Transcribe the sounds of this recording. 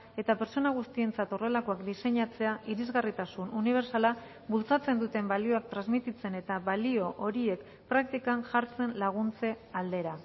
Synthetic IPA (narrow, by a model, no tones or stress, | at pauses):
e̞t̪ape̞ɾt͡so̞naɣ̞ust̪ie̞nt͡sat̪o̞re̞lako̞akd̪ise̞ɲat͡se̞aʔiɾizɣarit̪asununiβ̞e̞ɾsala | βult͡sat͡se̞nd̪ut̪e̞mbalio̞ak̚t̪ɾanzmit̪it͡se̞ne̞t̪aβalio̞ʔoɾie̞k | pɾak̚t̪ikanʝaɾt͡se̞nlaɣ̞unt͡se̞ | ald̪e̞ɾa